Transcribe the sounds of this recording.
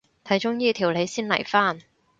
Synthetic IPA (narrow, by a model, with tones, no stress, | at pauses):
t̪ʰɐ˨˥jt͡ʃʊ˥ŋjiː˥t̪ʰiː˨˩wle˨˧jsiː˥nlɐ̰˨˩jfaː˥˩n